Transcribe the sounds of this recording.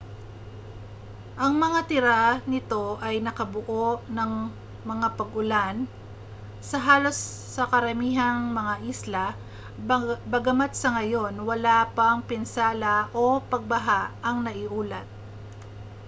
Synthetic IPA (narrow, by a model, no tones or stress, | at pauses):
ʔɐŋmɐŋat̪ɪɾanɪt̪o̞ʔɐjnɐkɐbʊʔo̞ʔnɐŋ | mɐŋapɐɡʊlan | sɐɦaːlo̞sː | ɐkɐɾɐmiːɦɐŋmɐŋaʔislɐ | bɐɡɐmat̪̚sɐŋɐjo̞nwɐlapɐŋpɪnsaːlɐʔopɐɡ̚bɐɦaɐŋnɐʔɪʔuːlɐt̪̚